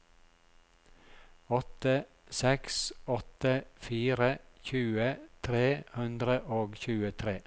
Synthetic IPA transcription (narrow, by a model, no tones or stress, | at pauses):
ɔt̪ə | sɛksɔt̪əfiːɾəçʉːət̪ʰɾeːhʉnd̪ɾəʔoːɡçʉːət̪ʰɾeː